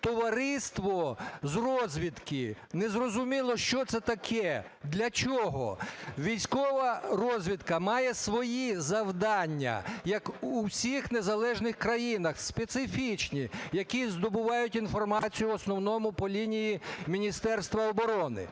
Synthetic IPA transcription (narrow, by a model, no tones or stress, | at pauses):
t̪ɔʋɐɾɪst̪ʋɔzrɔzʲʋʲid̪kɪnɛzrɔzʊmʲilˠɔʃt͡ʃɔt̪sɛt̪ɐkʰɛ | d̪lʲɐt͡ʃɔɦɔ̰ʋʲijsʲkɔʋɐɾɔzʲʋʲit̪kɐmɑjɛsʋɔjizɐwd̪ɑnʲːɐ̰jɐkusʲixnezɐlˠɛʒnɪxkɾɐjinɐxspet̪sɪfʲit͡ʃnʲijɐkʲizd̪ɔbʊʋɑjʊtʲinfɔrmɑt͡sʲijʊɔsnɔwnɔmʊpɔlʲinʲijimʲinʲist̪ɛrst̪ʋɐɔbɔɾɔnɪ̰